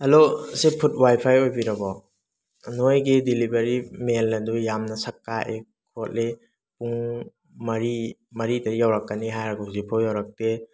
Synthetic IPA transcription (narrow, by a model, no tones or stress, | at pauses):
ɐlosepʰut̚wajpʰajojbiɾɐbɔ | nojɡidilibeɾimelːɐdujamnɐsɐkːaʔe | kʰot̚le | puŋ | mɐɾimɐɾidɐjawɾɐkːɐniɦajɾɐɡuzipʰojawɾɐk̚te